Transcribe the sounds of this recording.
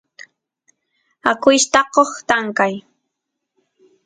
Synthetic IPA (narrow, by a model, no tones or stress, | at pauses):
akʊjʃt̪ɑqoχt̪aŋkaj